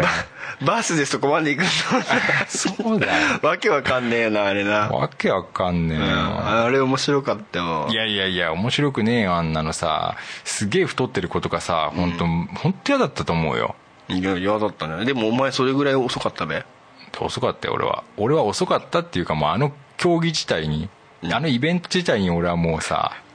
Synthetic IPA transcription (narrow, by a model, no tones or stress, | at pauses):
babaːsɨd̪esɨ̥t̪okomand̪eikɯnːoasoːd̪aβake̞βakãnːẽonaːɾenaβa̰ke̞βakãnːẽo̰aɾeomoɕiɾo̞kat̪ːajoijaiaiao̞mo̞ɕiɾo̞kɯ̟neːjoãnːano̞sa̰sɨɡe̞ːɸɯ̟̥t̪o̞t̪ːe̞ɾɯ̟ko̞t̪o̞ɡasa̰hõ̞nt̪o̞hõ̞nt̪ːo̞jad̪at̪ːat̪o̞ːmo̞̰̟ːjo̰ | jajad̪at̪ːãd̪e̞moːmaeso̞ɾe̞ɡɯ̟ɾaioso̞kat̪ːabe | t̪eoso̞kat̪ːaj̰oɾḛβa̰o̞ɾe̞βao̞so̞kat̪ːat̪ːe̞jɯ̟kamoano̞ | kʲʰo̞ːɡʲiʑi̥t̪aiɲ̟i | ano̞ibẽ̞nt̪o̞d͡ʑit̪aiɲ̟io̞ɾe̞βamo̞ːsa̰